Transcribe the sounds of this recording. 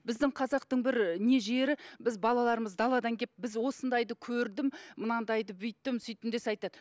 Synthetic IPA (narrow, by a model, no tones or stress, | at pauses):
bɪzd̪ɪŋqʰɑzɑqt̪əɴbɪɾne̞ʒe̞ɾɪbɪzbɑlˠɑlˠɑɾəməzd̪ɑlˠɑd̪ɑŋkʲʰep̚bɪzwo̞sənd̪ɑjd̪əkʲʰɵɾd̪ɪmmənɑnd̪ɑjd̪əbʏjt̪ːɪmsʏjt̪ɪnd̪esɑjt̪ɑd̪̥ə